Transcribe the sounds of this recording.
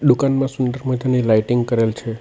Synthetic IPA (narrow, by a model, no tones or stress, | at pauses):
ɗ̪ukanmãsʊnɖəɾmə̃d͡ʒanelajʈiŋɡkəɾelt͡ʃʰe